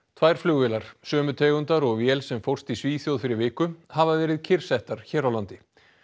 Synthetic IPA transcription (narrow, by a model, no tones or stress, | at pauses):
t̪ʰvajɾ̥flʏɣvɛːlaɾ̥sœːmʏt̪ʰɛːɣʏnt̪aɾɔɣvjɛlsɛmfowr̥st̪isviːθjowðfɪɾɪɾvɪːkʏhavavɛːɾɪðcʰɪr̥sɛht̪aɾ̥çɛːɾawlant̪ɪ